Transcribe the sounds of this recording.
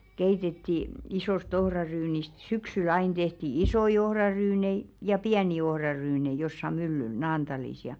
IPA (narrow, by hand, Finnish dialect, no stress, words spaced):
keitetːi isoˑst ohrɑryːnist syksyl̞ ɑin tehti isoi ohrɑryːnei jɑ piæni ohrɑrynei josːɑ mylːyl nɑːntɑlis jɑ